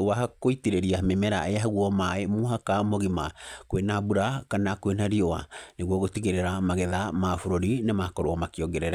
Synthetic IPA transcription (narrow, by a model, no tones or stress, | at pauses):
wahakoitiɾeɾiamemɛɾa̰ʔeaɦaɣwɔmaemuɦakamoɣimakwenabuɾakanakwenaɾiɔa̰neɣwɔɣotiɣeɾeɾamaɣɛðamaːfoɾoɾinemakɔɾoɔmakiɔɡɛɾɛɾa